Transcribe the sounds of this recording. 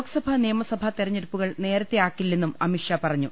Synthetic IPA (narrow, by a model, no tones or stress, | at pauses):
ksɐbʱɐnijɐmɐsɐbʱɐt̪erɐɲːeɾupːuɣɐɭne̞ːɾɐt̪ːeaːkːilːenːumɐmiʂjɐpɐrɐɲːu